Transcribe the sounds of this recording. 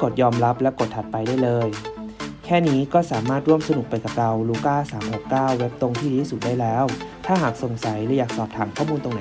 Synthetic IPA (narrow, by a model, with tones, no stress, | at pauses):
ko˨˩t̪̚jɔː˧mɾa˦˥p̚lɛ˦˥ko˨˩t̪ʰːa˨˩t̪̚pa˧jdaː˥˩jlɤː˧j | kʰɛː˥˩niː˦˥kɔː˥˩saː˩˦maː˥˩t̪̚ɾu˥˩əmsa˧nu˨˩k̚pa˧jka˨˩p̚ɾa˧wluː˧˩kaː˥˩saː˩˦mho˨˩kːaː˥˩wːe˦˥p̚t̪o˧ŋt̪ʰiː˥˩˦i˥˩su˨˩t̪̚daː˥˩jlɛː˦˥wt̪ʰaː˥˩ɦaː˨˩k̚so˨˩ŋsa˩˦jlɛ˦˥˩jaː˨˩k̚sɔː˨˩p̚t̪ʰaː˩˦mkʰɔː˥˩muː˧nt̪o˧ŋna˩˦